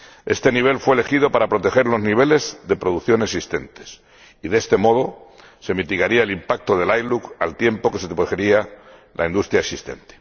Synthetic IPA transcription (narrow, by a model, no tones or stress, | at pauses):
e̞̰st̪e̞niβ̞e̞lfwele̞xið̞o̞paɾapɾo̞t̪e̞xe̞ɾlo̞zniβ̞e̞le̞zðe̞pɾo̞ðuθjo̞nesist̪e̞nt̪e̞̥s | iðest̪e̞mo̞ð̞o̞ | se̞mit̪iɣaɾiaelimpak̚t̪oð̞e̞lajluka̰lt̪je̞mpo̞keset̪exeɾialʔa̰ind̪ust̪ɾjaeksist̪e̞̰nt̪e̥